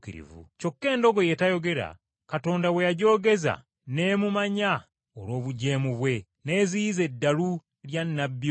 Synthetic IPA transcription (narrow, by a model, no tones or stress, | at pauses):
kiɾḭvṵco̞kːe̞ːndo̞ɡo̞je̞tajo̞ɡe̞ɾa̰ | kato̞ːndawe̞jaɟo̞ːɡe̞za̰ | ne̞ːmumaɲa | olwo̞ːβuɟe̞ːmuβwe̞ | ne̞ːziize̞dːalu | ljanːabjo